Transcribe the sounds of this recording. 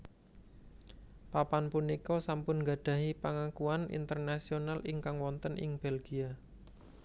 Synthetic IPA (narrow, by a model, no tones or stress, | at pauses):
papanpunikɔsampʊnɡaɖ̥ä̤ɦipaŋakuanḭnt̪ərnasionalʔɪŋkaŋwɔnt̪ənʔɪ̰ŋb̥elɡ̥ia